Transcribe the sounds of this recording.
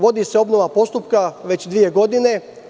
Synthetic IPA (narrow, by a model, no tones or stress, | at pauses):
ʋo̞d̪iːseo̞bnoʋapo̞st̪upkaʋe̞t͡ɕd̪ʋije̞ɡo̞d̪ine̞